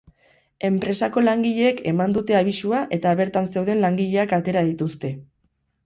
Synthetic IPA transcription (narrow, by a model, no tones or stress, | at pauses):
e̞mpɾe̞sako̞laŋɡiʎe̞ːke̞mand̪ut̪e̞aβ̞isuaʔe̞t̪aβe̞ɾt̪anse̞wð̞e̞nlaŋɡiʎe̞akat̪e̞ɾaðit̪ust̪e̞